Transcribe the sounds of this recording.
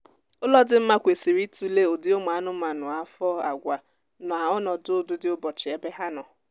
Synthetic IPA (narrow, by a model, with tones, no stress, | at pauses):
ʊ˦lɔ˦dɪ˦m̩˦ma˦kʷe˨si˨ɾi˦tu˦le˦o˨dɪ˦o˦m˨a˨˦nʊ˦m˦a˨nʊ˨a˦fɔ˦a˨ɡʷa˨ | nɔ˨a˨ɔ˦nɔ˨dʊ˦dʊ˦dɪ˦ʊ˦bɔ˨t͡ʃɪ˨e˦be˦ɦa˦nɔ˨